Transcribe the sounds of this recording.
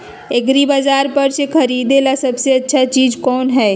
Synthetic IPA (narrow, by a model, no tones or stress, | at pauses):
eɡɾibaːzaːɾpɐɾsekʰɐɾiːd̪elasɐbseɐtːʃʰat͡ʃiːd͡ʒkɔːnɦɛː